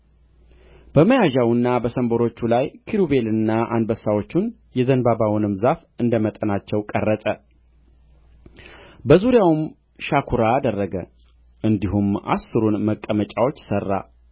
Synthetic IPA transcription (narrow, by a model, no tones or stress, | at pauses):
b̥əməjaʒawɨnːabəsəmboɾo̞t͡ʃːulajkʰiɾube̞lɨnːaʔa̰nbəsawo̞t͡ʃːun | jɛzənbabawʊnɨmzaf | ɨnd̪əmət̪ʼənat͡ʃːɛwkʼərːət̪ʼə | bəzuɾijawum | ʃakʰuɾaːd̪ərːəɡə̰ | ʔɨnd̪iɦumʔa̰sːɨɾunməkʼːəmət͡ʃʼawo̞t͡ʃːsərːa̰